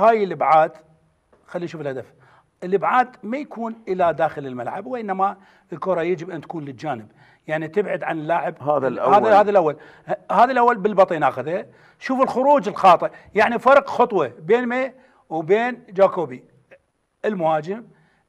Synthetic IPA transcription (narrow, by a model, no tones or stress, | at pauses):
haːjɪlʔɪbʕaːd̪ | xalːiːnʃuːfɪlhad̪af | ʔɪlʔɪbʕaːd̪majakuːnʔɪlad̪aːxɪlɪlmalʕa̰bwʔɪnːama | ɪlkʊɾˤɑjad͡ʒɪbʔant̪ḁkuːnlɪd͡ʒaːnɪb̚ | jaʕnit̪ɪbʕad̪ʕanɪlːaːʕɪbhaðhaːahaːðalʔawːal | haːðalʔawːalbɪlbɑt̪ˤinʔaːxɪðha | ʃuːfɪlxʊɾuːd͡ʒɪlxɑːt̪ˤɨʔjaʕnifɑɾˤqxʊt̪ˤwɑbeːnmeː | wbeːnd͡ʒaːkoːbi | ʔɪlmʊhaːd͡ʒɪm